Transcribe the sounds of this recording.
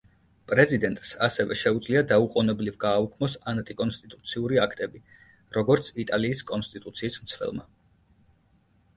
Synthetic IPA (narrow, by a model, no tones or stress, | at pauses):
pʼɾɛzid̪ɛnt̪ʼsasɛvɛʃɛud̪zliad̪auqʼɔnɛblivɡaːukʰmɔsant̪ʼikʼɔnst̪ʼit̪ʼut̪sʰiuɾiakʰt̪ʼɛbi | ɾɔɡɔɾt̪sʰit̪ʼaliːskʼɔnst̪ʼit̪ʼut̪sʰiːsmt̪sʰvɛ̰lˠma